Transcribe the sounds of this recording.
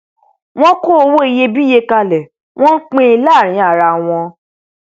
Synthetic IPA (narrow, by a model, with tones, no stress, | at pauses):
w̃ɔ̃˦ko˦˨˧wo˦e˦˧˨je˧bi˦je˧ka˧lɛ˨ | w̃ɔ̃˦n̩˦k͡pẽ˦i˧laː˦˨ɾ̃ĩ˨˦a˦˨ɾa˧w̃ɔ̃˧